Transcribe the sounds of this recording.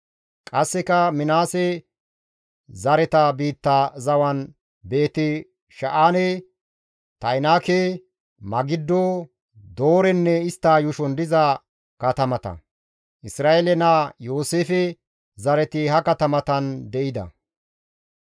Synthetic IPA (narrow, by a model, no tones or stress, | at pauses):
kʼɐsːɛkɐmɪnaːsɛ | zɐɾɛt̪ɐbiːt̪ːazɐwɐn | be̞ːt̪ɪ | ʃɐʔaːnɛ | t̪ɐjnaːke | mɐɡɪd̪ːo | d̪o̞ːɾɛnːɛɪst̪ːaːjʊʃɔnd̪ɪzɐ | kɐt̪ɐmɐt̪ɐ̰ | ʔɪsɾaːelɛnajoːseːfɛ | zɐɾɛt̪ɪhɐkɐt̪ɐmɐt̪ɐnd̪ɛʔɪd̪ɐ̰